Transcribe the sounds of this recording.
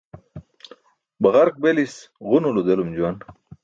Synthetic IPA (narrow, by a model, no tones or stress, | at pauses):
bɐʁaɾk̚belisʁunulud̪elumd͡ʑuwan